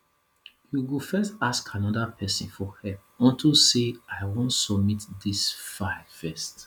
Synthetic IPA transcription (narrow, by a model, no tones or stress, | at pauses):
juwufɛstaskʰãnɔdapʰɛsḭ̃nfɔhɛp̚ɔ̃ntʰuseaɪwõntsɔbmitdisfaɪfɛst